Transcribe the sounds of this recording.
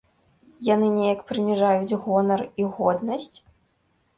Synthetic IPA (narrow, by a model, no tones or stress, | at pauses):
janɨnʲɛjɐkpɾɨmʲiʐajud͡zʲɣɔnɐriɣɔd̪nɐsʲt͡sʲ